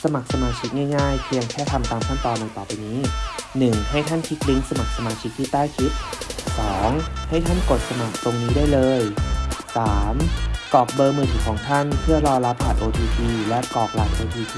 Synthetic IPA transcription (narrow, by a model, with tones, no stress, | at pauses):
sa˧ma˨˩k̚sa˧maː˧t͡ɕʰi˦˥k̚ŋaː˥˩jŋaː˥˩jpʰi˧əŋkʰɛː˥˩t̪ʰa˧mt̪aː˧mt̪ʰa˥˩nt̪ɔː˧nːa˧jt̪ɔː˨˩pi˧niː˦˥nɯ˨˩ŋha˥˩jt̪ʰa˥˩nkʰi˦˥k̚li˦˥ŋsa˧ma˨˩k̚sa˧maː˧t͡ɕʰi˦˥k̚t̪ʰiː˥˩t̪aː˥˩jkʰi˦˥t̪̚sɔː˩˦ŋha˥˩jt̪ʰa˥˩nko˨˩t̪̚sa˧ma˨˩k̚t̪o˧ŋniː˦˥du˥˩əjlɤː˧jsaː˩˦mkɔː˨˩k̚bɤː˧mɯː˨˩t̪ʰi˨˩kʰɔː˩˦ŋt̪ʰa˥˩npʰɯ˥˩ɐlɔː˧la˦˥p̚ʰːaː˨˩ʔoː˧t̪ʰiː˧biː˧lɛ˦˥ʔkɔː˨˩k̚laː˨˩k̚saː˧biː˧